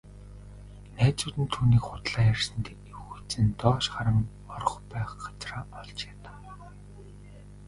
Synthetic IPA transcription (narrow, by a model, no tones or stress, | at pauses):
næːt͡suːt̪ɘ̆nt̪ʰuːniːkχʊt̪ɮaːjærsə̆nt̪ | ewxut͡sɘ̆nt̪ɔːʃχaɾə̆ŋ | ɔr̆χpæːχɢḁt͡sraːɔɮt͡ɕjat̪ḁ